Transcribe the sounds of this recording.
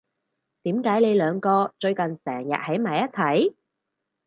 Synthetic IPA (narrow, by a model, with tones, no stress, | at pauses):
t̪iː˨˥mkaː˨˥jle˨˧jlœː˨˧ŋkɔː˧t͡ʃɵ˧ɥkɐ˨nsɛː˨˩ŋjɐ̰˨t̚hɐ˨˥jmaː˨˧jɐ˥t͡sʰɐ˨˥j